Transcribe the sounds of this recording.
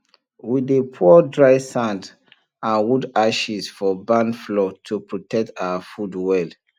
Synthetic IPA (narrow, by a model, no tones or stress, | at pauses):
widepʰuɔdɹaɪsãnd | ãnwudaʃisfɔbãnflɔtʰupɹotʰɛk̚tawafudwɛl